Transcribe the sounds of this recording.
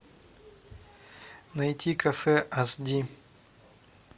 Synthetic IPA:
nɐjtʲikɐfɛʔasd̪ʲi

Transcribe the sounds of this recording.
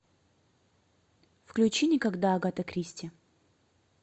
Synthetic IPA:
fklʲʉt͡ɕinʲɪkɐɡd̪aːɡat̪ɐkɾʲisʲtʲɪ

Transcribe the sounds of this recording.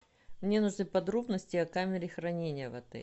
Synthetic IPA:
mnʲe̞nʊʐnɨpɐd̪ɾo̞bnəsʲtʲɪɐkamʲɪɾʲɪxɾɐnʲenʲɪjəvɐ̰t̪ɛ̰

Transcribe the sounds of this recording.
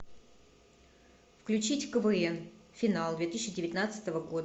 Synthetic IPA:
fklʲʉt͡ɕitʲfkəvɨɛnfʲɪnalˠd̪vʲe̞t̪ɨɕːɪdʲɪvʲɪt̪ʲnat̪sɨ̥t̪əvəɡo̞d̪ə

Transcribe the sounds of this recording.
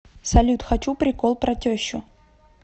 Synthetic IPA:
sɐlʲut̪xɐt͡ɕupɾʲɪkolˠpɾɐtʲoɕːʊ

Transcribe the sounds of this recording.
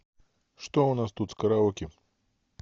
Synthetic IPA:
ʂt̪ɔunast̪ut̪skɐɾaɔkʲi

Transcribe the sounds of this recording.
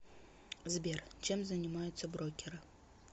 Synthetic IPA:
zbʲert͡ʃemzɐnʲimajʊt̪sɐbrokʲɪɾɨ

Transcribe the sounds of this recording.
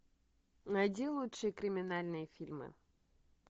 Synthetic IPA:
ɐdʲilˠut̪ʂɨjəkɾʲɪmʲɪnalʲnɨjəfʲilʲmɨ̰

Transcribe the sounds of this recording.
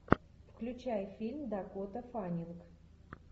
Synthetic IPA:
fklʲʉt͡ɕæjfʲilʲmd̪ɐkot̪əfanʲilˠk

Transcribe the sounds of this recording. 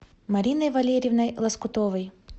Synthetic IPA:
mɐɾʲinɐjvɐlʲɛɾʲivnɐjlˠɐskʊt̪ɔʋɨj

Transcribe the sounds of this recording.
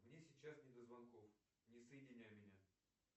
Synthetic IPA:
mnʲesʲɪt͡ɕːasnʲɪd̪əzvɐnkof | nʲɪsəjɪdʲɪnʲæjmʲɪnʲa

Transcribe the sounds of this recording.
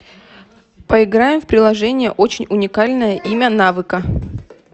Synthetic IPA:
pəɪɡɾajɪmfpɾʲɪlˠɐʐɛnʲɪjə̰ʔo̞t͡ɕɪnʲʊnʲɪkalʲnəjəʔimʲənavɨkə

